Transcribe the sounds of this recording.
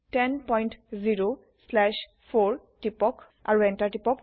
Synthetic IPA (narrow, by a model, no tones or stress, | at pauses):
tɛnpɔjntziɹo | slɛʃ | pʰoɹʈipɔk | a̰ɹuɛntaɹʈipɔk